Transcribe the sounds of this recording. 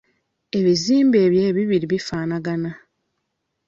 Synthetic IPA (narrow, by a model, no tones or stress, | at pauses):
e̞βiziːmbe̞ːβje̞ːβiβiɾiβifaːnaɡana